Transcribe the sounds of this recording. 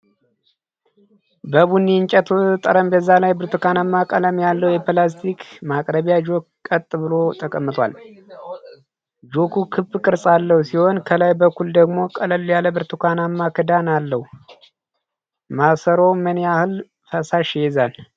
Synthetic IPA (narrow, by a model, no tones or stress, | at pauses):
bəβunːint͡ʃʼət̪ʰut̪ʼəɾəmbəzːalajbɨɾt̪ʰukanamːakʼələmjalːəhwjɛplast̪ʰikmakʼɾəβijad͡ʒo̞kkʼət̪ʼːɨβɨlo̞t̪ʼəkʼəmːɨt̪ʰwa̰l | d͡ʒo̞kʰukʰɨbkʼɨɾsʼalːəhusiho̞nkʰəlajbəkʰːuld̪əɡmo̞kʼələljaləbɨɾt̪ʰukʰanamːakʰɨd̪analːəhu | masəɾo̞məniahɨl | fəsaʃɛzan